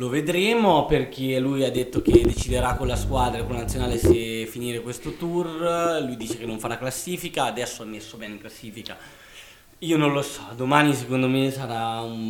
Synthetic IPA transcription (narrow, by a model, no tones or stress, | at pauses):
loved̪ɾeːmoperk̟elujad̪ːet̪ːok̟ed̪ːet͡ʃid̪eɾakːolːaskwad̪ɾakonlanat̪sːjonaːlesefiniːɾekwest̪ot̪urlujd̪iːt͡ʃekenːoɱfaɾaklasːiːfikaːd̪ɛsːoamːesːobɛːneŋklasːiːfika | iːonõnlosɔ̥d̪omaːnis̬ekond̪omesaɾaum